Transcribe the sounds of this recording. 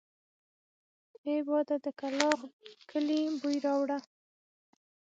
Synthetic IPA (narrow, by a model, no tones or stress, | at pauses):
ebɑd̪ad̪əkalɑɣkʰəlibujɾɑwɽa